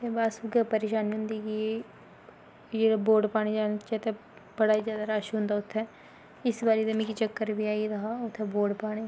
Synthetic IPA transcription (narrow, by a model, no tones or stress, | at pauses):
t̪eːbaːsuɡapəɾeːʃaːnʊ̃nd̪iːke | d͡ʒeːɽaboːɾɖpaːɽ̃ed͡ʒaːnt͡ʃɛt̪e | bəɽaːizjaːd̪aːɾaːʃɦʊ̃nd̪aːʊt̪ʰːɛː | ɪsbaːɾeːd̪emɛ̃ːkit͡ʃəkːəɾʋiːaːiɾəɦaːʊt̪ʰːɛboːɖpaːɽ̃eː